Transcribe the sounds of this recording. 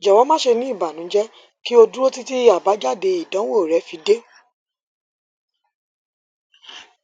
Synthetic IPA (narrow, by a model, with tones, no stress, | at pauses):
d͡ʒɛ˨wɔ̃˨˦mã˦ʃe˧nĩ˦i˦˨ba˨nũ˨˦d͡ʒɛ˦ | ki˦o˧du˦ɾo˦ti˦ti˦a˨ba˨˦d͡ʒa˦˨de˧i˨dã˨˦we˦˨o˨ɾɛ˨˦fi˨˧˦de˦